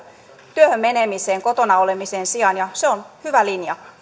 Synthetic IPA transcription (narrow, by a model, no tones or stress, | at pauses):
t̪yøhømmenemiseːŋkot̪onɑolemiseːnsiɑnjɑseonhyʋælinjɑ